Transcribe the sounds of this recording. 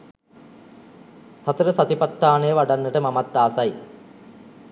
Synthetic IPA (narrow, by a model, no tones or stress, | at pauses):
sɐt̪ɐɾɐsɐd̪ipɐʈːaːɳeʋɐɽɐnːɐʈɨmɐmɐt̪ːaːsɐj